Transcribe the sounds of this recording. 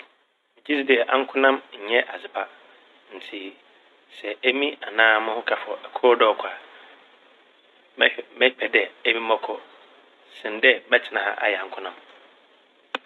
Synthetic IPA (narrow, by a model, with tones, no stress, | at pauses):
d͡ʑi˦sdɛ˨ʔã˦ŋ̩˦kʰʊ̃˦nã˦mɲ̩˨ɲɛ̃˦ʔa˨zɪ˨pʰa˨ | n̩˨tʰi˨ | sɛ˨æ˦mĩ˦a˨nãː˦mʊ̃˦hʊ̃˦kʰa˨fɔ˨ʔɛ˨kʰɔ˦dɔ˦˨kʷʰa˨ | mɛ̃˦pʰɛ˨dɛ˨æ˦mĩ˦mɔ̃˦kʰɔ˦ | sɪ̃˨n˨dɛ˦bɛ˦t͡ɕʰɪ˨nã˨ha̰˦˨ʔa̰˨jɛ˨ã˨ŋ˦kʰʊ̃˦nã˦m